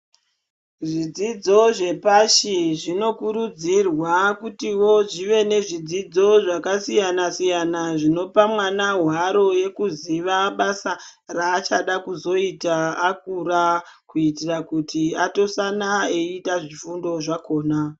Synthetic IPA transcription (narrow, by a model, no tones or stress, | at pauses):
ʐid͡zid͡zo̞ʐe̞paʃiʐino̞kuɾud͡zirwakutiwo̞ʐiʋe̞ne̞ʐid͡zid͡zo̞ʐakasijanasijanaʐino̞pamwanaɦwaɾo̞je̞kuziʋaɓasaraːt͡ʃaɗakuzo̞itaːkurakuitirakutiato̞sanaeitaʐifundo̞ʐako̞ːna